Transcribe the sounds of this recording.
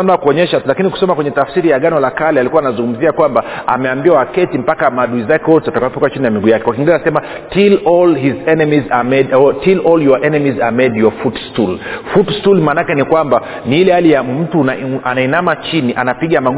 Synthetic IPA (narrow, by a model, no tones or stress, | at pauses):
am̩nakuɔɲɛʃatulakiniku̥sɔmakwɛɲɛtafsiɾijaɠanɔlakalɛalikuwanazuŋɡum̩ziakwambaa̰mɛambiwawakɛtim̩pakamaɗuizakɛɔtatakawɔpɔkwat͡ʃinijamiɡujakɛkwakiŋɡilɛasɛma | tilɔlhizɛnɛmizamɛtilɔljɔʔɛnɛmizamɛdjɔfutstulfutstulmaːnakɛnikwamba | niilɛhalijam̩tuaanainamat͡ʃiniʔa̰napiɠamaɡ